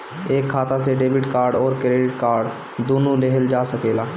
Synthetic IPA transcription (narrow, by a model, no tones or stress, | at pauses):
eːkʰːaːt̪aseɖeːbɪʈkaːɾɖɔːɾkɾeːɖɪʈ̚kaːɾɖ | d̪oːnoleɦəld͡ʒaːsɐkeːlaː